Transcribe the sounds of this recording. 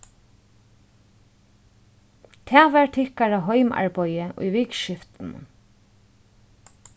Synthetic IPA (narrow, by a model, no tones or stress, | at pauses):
t̪ʰɛːʋæɹt̪ʰɪhkaɹaɦɔjma̰ɹpɔjəʔʊ̰jʋiːkʃɪft̪n̩̰